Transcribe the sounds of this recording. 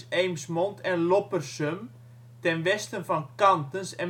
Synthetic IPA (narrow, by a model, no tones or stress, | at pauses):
ejmsmɔntʰɛnlopərsøm | tɛnʋɛstənfɑnkɑntənsɛn